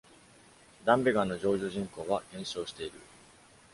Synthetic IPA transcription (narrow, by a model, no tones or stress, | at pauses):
d̪ãmbe̞ɡãnːo̞ʑo̞ːʑo̞ːʑĩŋko̞ːβaɡẽ̞ɰ̃ɕo̞ːɕi̥t̪e̞iɾɯ̟̰